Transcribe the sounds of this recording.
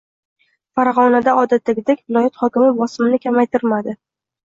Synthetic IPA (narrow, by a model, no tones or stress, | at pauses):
faɾaʁɒnad̪aɒd̪at̪ːaɡʲɪd̪ekʲvɪlˠɒjat̪χɒkʲɪmɪbɒsɪmɪnɪkʲʰamajt̪ʰɪɾmad̪ɪ